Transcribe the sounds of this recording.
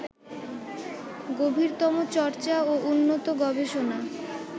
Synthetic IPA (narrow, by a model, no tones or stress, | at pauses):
ɡobʱiɾt̪ɔmot͡ɕɔɾt͡ɕaoʔunːot̪oɡɔbeʃona